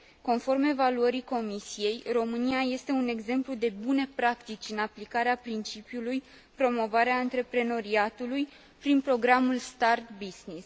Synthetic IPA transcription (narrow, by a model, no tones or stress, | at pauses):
ko̞nfo̞rme̞valuəɾiko̞misije̞jro̞mɨniaje̞st̪e̞une̞ɡze̞mplud̪e̞bune̞pɾakt̪it͡ʃʲɨnaplikaɾeapɾint͡ʃipjuluj | pɾo̞mo̞vaɾeaɨnt̪ɾe̞pɾe̞no̞ɾiat̪uluj | pɾinpɾo̞ɡɾamulst̪art̪biznis